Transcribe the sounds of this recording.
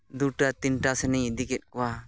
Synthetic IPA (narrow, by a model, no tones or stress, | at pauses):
d̪uʈat̪inʈasɛnijd̪ikɛt̪̚ˀkɔwa